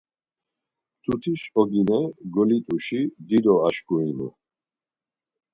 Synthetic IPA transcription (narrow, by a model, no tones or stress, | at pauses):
t̪ʰut̪ʰiʃɔɡinɛɡɔlit̪ʼuʃid̪id̪ɔaʃkʰuinṵ